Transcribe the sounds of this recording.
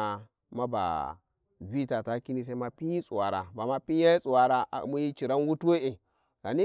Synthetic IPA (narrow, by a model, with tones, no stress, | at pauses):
ma˦ba̰˨ | vi˦ta˨ta˦ki˦ni˦s̬e˦i˦ma˦pi˦ji˦sʼu˨wa˨ɾa̰˨ba˨ma˦pi˦ja˦ji˦sʼu˨wa˨ɾa˨ʔa̰˨˦mu˦ji˦t͡ʃi˨ɾa˦n˦wu˦tu˦we˦e˨ | ɡ̥a˨ni˦